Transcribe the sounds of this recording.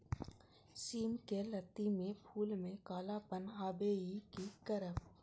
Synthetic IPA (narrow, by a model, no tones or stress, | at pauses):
siːmkelət̪ːimẽpʰuːlmẽkaːlapənɦaːbeikikəɾəp